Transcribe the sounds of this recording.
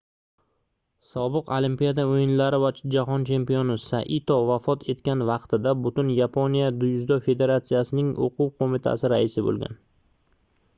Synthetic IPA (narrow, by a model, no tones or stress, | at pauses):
sɒbɨqolimpijad̪aojɪnlaɾɪvad͡ʒaɦɒnt͡ʃʰe̞mpijonɪsa̰ʔɪt̪ʰɒvafɒt̪ʰe̞t̪kʲanvɑqt̪ʰɪd̪abʊt̪ʊnjapʰonijad̪ʊjʊzd̪ɒfe̞d̪e̞ɾat̪sijasɪnɪŋo̰qʰuwqʰomɪt̪ʰa̰sɪɾa̰ɪsɪbo̰lˠɡʲa̰n